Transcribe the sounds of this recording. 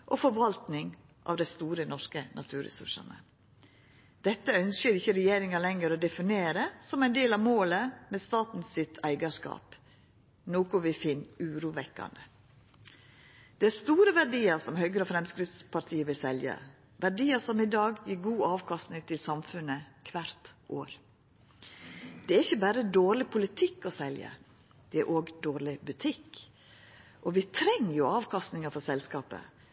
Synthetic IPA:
ʔɔfɔɾʋɑlt̪nɪŋ | ʔɑ̰ːʋd̪æɪst̪uːɾənɔʂkənʔɑ̰t̪ʰʉːɾɛ̰sʉ̰ʂɑ̰nə̰ | d̪̥ɛt̪ːəœnskəɾɪçːəɾɛjeːɾɪŋɑlɛŋəɾɔd̪ɛfɪneːɾəsɔmæɪnd̪eːlɑʋmoːləmɛst̪ɑːt̪n̩sɪt̪ʰæɪɡɑʂkɑ̰ːp | noːkʊʋɪfɪnːʉːɾuːʋɛkːɑ̰nd̪ə | d̪̥ɛæɾst̪uːɾəʋæɖiːəɾsɔmhœʏɡɾəɔfɾɛmskɾɪft̪spʰɑɾt̪ʰiːəʋɪlsɛljə̰ | ʋæɖiːəɾsɔmɪd̪ɑːɡjiːɾɡuːɑːʋkʰɑst̪nɪŋt̪ʰɪlsɑmfʉnəkʰʋæɾt̪ʔoːɾ | d̪̥ɛæɾɪçːəbæːɾəd̪oːɾɭɪpʰʊlɪt̪ʰɪkːɔsɛljə̰ | d̪̥ɛæ̰ɾʔoːɡd̪oːɾlɪbʉt̪ʰɪk | ʔɔʋɪt̪ʰɾɛŋːjʊɑːʋkʰɑst̪nɪŋəfɔsɛlskɑːpə̰

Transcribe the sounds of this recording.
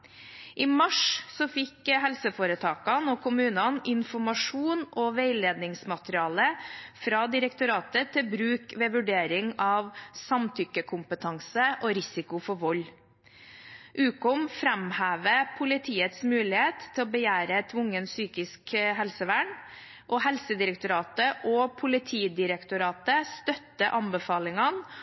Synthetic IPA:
ʔiːmɑʂsɔfɪkhɛlsəfoːɾət̪ʰɑːkɑnɔkʰʊmʉːnɑnɪnfɔmɑʂuːnʔɔʋeɪleːd̪nɪŋsmɑt̪əɾɪɑːləfɾɑd̪ɪɾəkt̪ʊɾɑːt̪ət̪ʰɪlbɾʉːkʋeːʋʉɖeːɾɪŋɑʋsɑmt̪ʰʏkːəkʰʊmpət̪ʰɑŋsəʔɔɾɪsɪkʊfɔʋɔlː | ʔʉːkʊmfɾɛmhæːʋəpʰʊlɪt̪ʰiːət̪smʉːlɪheːt̪ʰːɪlɔbəjæːɾəɛt̪ʰʊŋːənsyːkɪskɦɛlsəʋæːɳ | ʔɔhɛlsəd̪ɪɾək̚t̪ʊɾɑːt̪əʔɔpʰʊlɪt̪ʰiːd̪ɪɾəkt̪ʊɾɑːt̪əst̪œt̪ːəʔɑnbəfɑːlɪŋɑn

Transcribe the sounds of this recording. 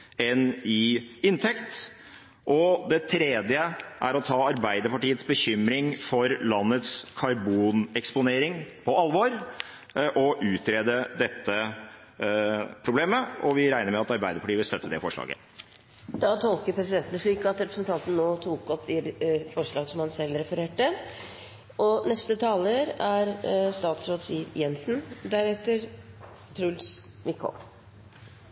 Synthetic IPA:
ɛnɪɪnt̪ʰɛkt̪ | ʔɔd̪ɛt̪ʰɾeːd̪jəʔæ̰ɾɔt̪ʰɑːɑɾbæɪd̪əɾpɑʈiːət̪sbəçʏmɾɪŋfɔɾlɑnːət̪skʰɑɾbuːnɛkspʊneːɾɪŋpʰɔɑlʋoːɾ | ʔɔʔʉːt̪ɾeːd̪əd̪ɛt̪ːə | pʰɾʊbleːməʔɔʋɪɾæɪnəɾmɛɑt̪ɑɾbæɪd̪əɾpʰɑʈiːʋɪlst̪œt̪ʰːəd̪ɛfɔʂɭɑ̰ːɡə̰ | d̪̥ɑt̪ʰɔlkəɾpʰɾɛsɪd̪ɛnt̪nəflyːkːɑt̪ɾɛpɾəsnt̪ʰɑnt̪n̩noːt̪ʰuːkɔp̚d̪ɛfɔʂɭɑːɡsɔmhɑnsɛlːɾɛfəɾeːʈːə | ʔɔnɛst̪ət̪ʰɑːləɾæɾst̪ɑːt̪sɾoːd̪siːʋjɛnsnd̪æɾɛːt̪əɾ | t̪ʰɾʉls | ʋɪkʰːɔ̰m

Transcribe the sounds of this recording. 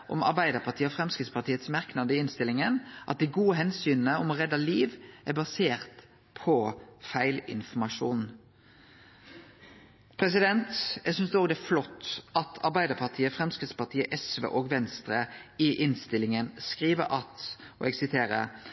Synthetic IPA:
ʔɔ̰mɑ̰ɾbæɪd̪əɾpʰɑʁt̪ʰiːəɔfʁɛmskɪt̪spʰɑt̪ʰiːət̪smɑɾknɑd̪əɪɪnst̪ɪlɪŋənʔɑ̰t̪̚d̪ɪɡuːəɦɛnsyːnənəɔmɔʁɛd̪ːɑliːʋʔæbɑseːɾt̪ | pʰɔfæɪlɪ̰nfɔmɑʂuːn | pʰɾɛs̬ɪd̪ɛnt̪ɛɡsʏnsd̪ʉoːɡd̪ɛæɾflɔt̪ːɑt̪ʰɑ̰ɾbæɪd̪əʁpʰɑʁt̪ʰiːəfɾɛmskʁɪt̪spɑʁt̪ʰiːəʔɛsʋə̰ʔoːɡʋɛnst̪ɾəɪʔɪnst̪ɪlːɪŋənskʁiːʋə̰ɾʔɑt̪ | ɔ̰ɛɡsɪt̪ʰeːɾə̰

